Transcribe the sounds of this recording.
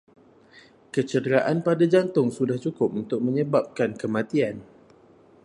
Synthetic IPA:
kət͡ʃədəɾaʔanpadad͡ʒant̪ʊŋsudaht͡ʃukʊp̚unt̪ʊk̚mə̃ɲəbap̚kankəmãt̪ian

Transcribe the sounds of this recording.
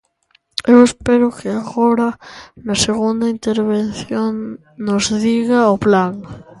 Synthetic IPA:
ewespeɾʊkɪaɣoɾanaseɣund̪aint̪eɾβenθjoŋ | nozðiɣaoplaŋ

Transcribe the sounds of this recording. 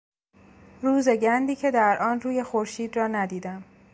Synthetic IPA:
ɾuːze̞ɟænd̪iːcʰe̞d̪æɾʔɒːnruːje̞xoɾʃiːd̪rɒːnæd̪iːd̪æm

